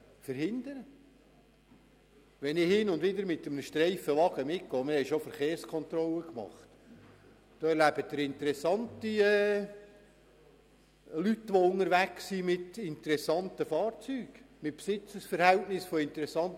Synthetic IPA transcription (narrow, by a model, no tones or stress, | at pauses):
fəɾhɪnd̪əɾə | ʋɛnɪhɪnʊndʋɪd̪əɾmɪt̪əmənəʃtɾɛɪfəʋɑɡəmɪk̚ɡ̥oɔːmɪɾhɛɪʃofəɾχeːɾskʰɔnt̪ɾɔləkmɑ̰χt̪ | d̥oːɛɾlæb̥ət̚d̪əɾɪnt̪əɾɛsːɑntiɛ | lytːʋoʊnəɾʋækssimɪtɪnt̪əɾɛsɑntəfɑːɾt͡syːɡ̥ | mɪt̚psɪt͡səsfəɾhɛltnɪsfoɪnt̪əɾɛsɑnt